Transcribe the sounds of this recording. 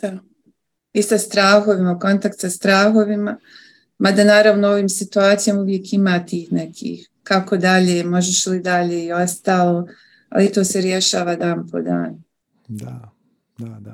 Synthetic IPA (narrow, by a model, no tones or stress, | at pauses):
a | isast̪ɾaːɦo̞ʋimako̞nt̪ak̚t̪sast̪ɾaːxo̞ʋima | mad̪anaːɾaʋnoo̞ʋiːmsit̪uaːt̪sijomuʋje̞kimaːt̪iːhne̞kʰḭːh | kako̞d̪aʎeːmo̞ʒeʃelid̪aʎeːio̞st̪aːlˠoː | a̰lit̪o̞ːseɾje̞ʃaːʋaːd̪aːnpo̞̰d̪a̰ːn | d̪a | ad̪a